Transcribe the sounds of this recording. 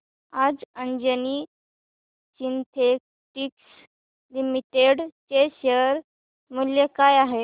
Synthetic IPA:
ad͡zəɲd͡ʑəni | sint̪ʰe | ʈiks | limiʈeɽt͡ɕeɕəɾ | muljekajaɦe

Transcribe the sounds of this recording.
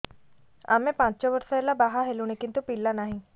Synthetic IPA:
a̰mepãt͡ɕt͡ɕaʋəɾsalabaɦaɦelunekint̪upilːanaɦi

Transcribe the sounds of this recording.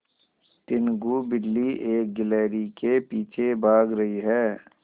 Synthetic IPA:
t̪ɪnɡubɪlːiʔeːk̚ɡɪlɛːɾikepiːt͡ʃʰebʱaːɡɾɐɦiɦɛː

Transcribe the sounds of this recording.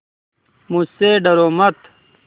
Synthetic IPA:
museɖɐɾoːmɐt̪

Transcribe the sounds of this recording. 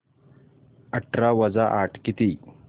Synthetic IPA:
əʈʰɾaʋəd͡zaʔaʈʰkit̪iː

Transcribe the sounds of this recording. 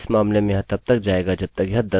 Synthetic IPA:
smaːmlemẽjɦãt̪ɐb̚t̪ɐk̚d͡ʒaːeːɡad͡ʒɐb̚t̪ɐkɐd̪ɐ

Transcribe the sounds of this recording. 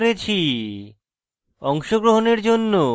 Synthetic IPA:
ɾet͡ɕʰi | ɔŋʃoɡɾoɦoneɾd͡ʑonːo

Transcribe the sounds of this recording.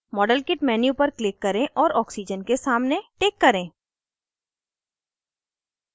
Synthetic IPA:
mɔːɖəlkɪʈmɛːnjupɐɾklɪkːɐɾẽʔɔːɾɔːksid͡ʒənkesaːmneʈeːkːɐɾẽː

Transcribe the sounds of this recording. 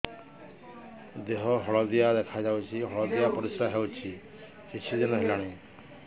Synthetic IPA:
d̪eɦɔɦɔɭɔd̪ijad̪ekʰajd͡ʒawt͡ʃʰiɦɔɭɔd̪ijapɔɾisɾaɦewt͡ʃʰi | kit͡ʃʰid̪inɔɦelaɽ̃e

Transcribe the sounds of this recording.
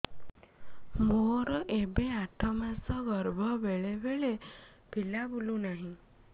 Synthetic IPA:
moɾɔʔebeaʈʰɔmasɔɡɔɾbʱɔbeɭebeɭe | pilabulunaɦĩ

